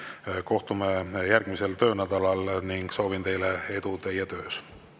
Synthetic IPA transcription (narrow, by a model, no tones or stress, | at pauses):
ko̞ht̪umejærɡ̥mise̞lt̪ø̞ːnæd̪̥ɑlɑlniŋɡ̥so̞ːvint̪e̞jlee̞d̪̥ut̪e̞jɛt̪ø̞ːs